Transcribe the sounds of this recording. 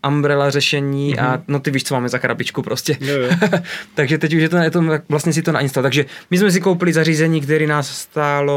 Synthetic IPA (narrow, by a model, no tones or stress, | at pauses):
ʔambɾɛlarɛʃɛɲiːʔanot̪ɛviʃt͡somaːmɛzakɾa̰bit͡ʃkupɾoscɛ | t̪aɡʒɛt̪ɛcuʃjɛt̪oɛt̪oavlastɲɛs̬ɪt̪onaʔinst̪alt̪aɡʒɛmɪsmɛs̬ikowpɪlɪzariːzɛɲiːkt̪ɛɾiːnaːsst̪aːlo